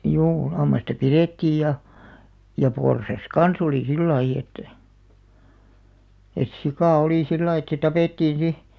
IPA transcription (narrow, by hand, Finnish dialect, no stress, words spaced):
juː lɑmːɑstɑ piretːiːj jɑ jɑ porsɑs kɑns oliˑ silːɑij̆ et et sikɑˑ oliˑ silːɑij̆ et se tɑpeˑtːiːn̞ si